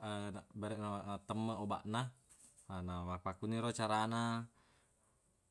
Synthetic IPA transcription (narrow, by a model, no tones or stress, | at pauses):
ənabaɾɛʔnaaʔnat̪əmːaɔba̰ʔna | namapakuniɾɔt͡ʃaɾana